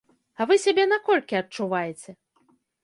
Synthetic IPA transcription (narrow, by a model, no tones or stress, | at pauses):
ɐvɨsʲabʲɛnakɔlʲkʲiɐt͡ʂːuvajet͡sʲɛ